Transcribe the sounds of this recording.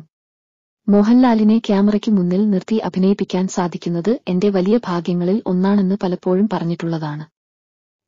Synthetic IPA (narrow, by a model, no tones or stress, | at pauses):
mo̞ːɦɐnlaːline̞kjaːmɐrɐkʲːɨmunːilnirt̪iʔɐbʱinɐjipːikʲːaːnsaːd̪ʱikʲːunːɐðɨe̞nde̞ʋɐlijɐbʱaːɡjɐŋːɐɭilo̞nːaːɳe̞nːɨpɐlɐpːo̞ːɻumpɐrɐɲːiʈːuɭːɐðaːɳɨ